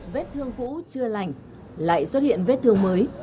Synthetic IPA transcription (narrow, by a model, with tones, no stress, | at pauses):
ve˦˥t̚t̪ʰɨ˧əŋkṵ˧˥t͡ɕɨ˧əla˨˩jŋ̟ | la̰ː˧˨jswt̚hḭ˧˨ənve˦˥t̚t̪ʰɨ˧əŋməː˨˦j